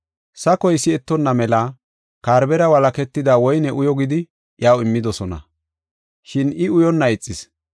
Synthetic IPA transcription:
sɐkɔjsɪɛt̪ːɔnːɐmɛla | kaːɾbɛɾɐwɐlɐkɛt̪ːɪd̪aːwɔjnɛʔʊjɔɡɪd̪ɪ | jaːwɪmːɪd̪ɔsɔnɐ̰ | ʃɪnɪʊjɔnːɐɪt͡sʼːɪs

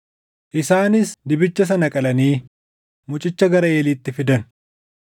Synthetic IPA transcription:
ʔɪsaːnɪsd̪ɪbɪt͡ʃːɐs̬ɐnɐkʼɐlɐniː | mʊt͡ʃʼɪt͡ʃːɐɡɐɾɐeːliːt̪ːɪfɪd̪ɐnʊ

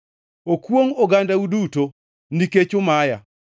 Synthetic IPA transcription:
okwoŋoɡandauduto | niket͡ʃʊmaja̰

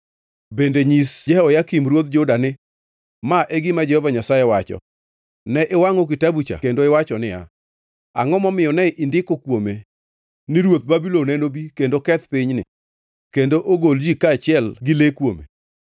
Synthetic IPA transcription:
bendeɲisd͡ʒɛɔjakimɾwot̪d͡ʒodanɪ | maʔeɡɪmad͡ʒɛhɔvaɲasajewat͡ʃɔ̰ | nɛʔɪwaŋok̬ɪtabut͡ʃa̰kendoɪwat͡ʃɔnɪa̰ | a̰ŋɔmɔmɪɔnɛʔindɪkokwome | nɪɾwot̪̚babilonɛnobikendokɛt̪piɲnɪ̰ | kendoʔoɡold͡ʒikaːt͡ʃɪɛlɡɪlekwomḛ

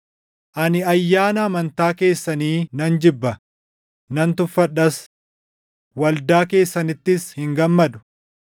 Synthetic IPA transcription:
ʔɐnɪɐjːaːnɐːmɐnt̪aːke̞ːsːɐniːnɐnd͡ʒɪbːɐ | nɐnt̪ʊfːɐᶑɐs | wɐld̪aːke̞ːsːɐnɪt̪ːɪshɪŋɡɐmːɐd̪ʊ̥

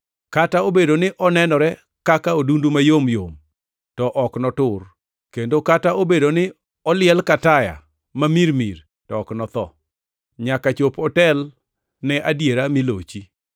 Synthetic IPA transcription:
kataobedonɪʔɔnɛnɔɾɛ | kakaodundumajomjom | tɔʔɔknɔtʊr | kendokataobedonɪ | ɔlɪɛlkataja̰ | mamiɾmiɾ | tɔːknɔt̪ɔ̰ | ɲakat͡ʃopɔtɛl | nɛʔadjeɾamɪlot͡ʃi

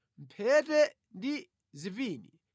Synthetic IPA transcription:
m̩pʰɛtɛ | ndi | ziviːni

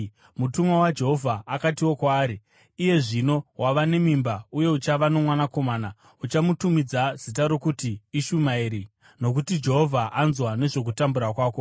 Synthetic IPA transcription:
mutumwawad͡ʒe̞ɦo̞vʱaːkatiwo̞kwaːɾiː | je̞ʐino̞waʋane̞mimbauje̞ut͡ʃaʋano̞mwanako̞maːna | ut͡ʃamutumid͡zaz̥it̬aɾo̞kutiːʃumaiɾi | no̞k̬utid͡ʒe̞ɦo̞vʱaʔanzwane̞ʐo̞k̬utambuɾakwaːko̞

